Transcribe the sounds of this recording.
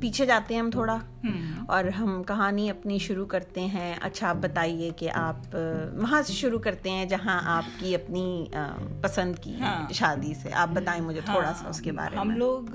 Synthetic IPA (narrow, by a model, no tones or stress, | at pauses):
piːt͡ʃʰed͡ʒaːt̪eɦɛ̃ɦɐmt̪ʰoːɽa | ɔːɾɦɐmkɐɦaːniɐpniʃʊɾukɐɾt̪eɦɛ̃ɐ̰tːʃʰaaːp̚bɐt̪aːiekeʔaːpmɐɦãseʃʊɾukɐɾt̪eɦɛ̃d͡ʒɐɦãʔaːp̚kiɐpnḭ | pɐsə̃nd̪kḭʃaːd̪isḛʔa̰ːp̚bɐt̪aːẽmʊd͡ʒʱet̪ʰoːɽasa̰ʊskeba̰ːɾḛɐmẽloːɡ